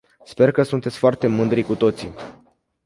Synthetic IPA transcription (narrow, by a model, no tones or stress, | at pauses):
spe̞rkəsunt̪et̪sʲfoart̪e̞mɨnd̪ɾikut̪o̞t̪sḭ